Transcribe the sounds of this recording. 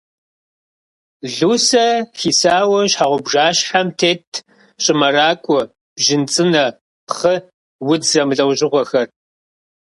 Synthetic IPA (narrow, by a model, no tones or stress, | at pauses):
ɮuːsɐxiːsaːwɐɕħaːʁʷʊbʒaːɕħamtʰeːtʰ | ɕʼɪmɐraːkʷʼʊ | b̥ʒɪnt͡sʼɨnɐ | χə | wʊd͡zzɐmɨɮʼɐwʑɪʁʷɔxɐr